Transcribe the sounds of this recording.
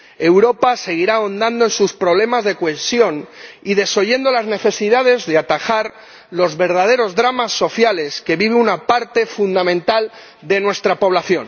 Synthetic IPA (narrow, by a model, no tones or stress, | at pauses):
e̞wɾo̞pase̞ɣ̞iɾao̞nd̪and̪oensuspɾo̞β̞le̞mazðe̞kwe̞sjo̞niðe̞so̞ʝe̞nd̪o̞lazne̞θe̞siðað̞e̞zðeat̪axaɾ | lo̞zβe̞ɾðað̞e̞ɾo̞zðɾamasːo̞θjale̞ske̞βiβeunapaɾt̪e̞fund̪amẽnt̪al | d̪e̞nwe̞st̪ɾapo̞βlaθjo̞n